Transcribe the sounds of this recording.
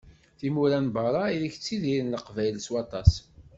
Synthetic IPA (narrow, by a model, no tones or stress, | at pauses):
θimuɾænbɑɾˤɑiliçt͡sːiðiɾənləqvæjlswɑt̪ˤɑs